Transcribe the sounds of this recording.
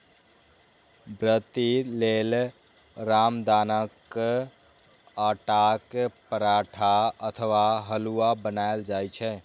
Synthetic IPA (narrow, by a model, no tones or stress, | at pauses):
bɾət̪ilel | ɾamd̪anək | aʈakpəɾaʈʰaət̪ʰəʋaɦəluabənaeld͡ʒajt͡ʃʰɛ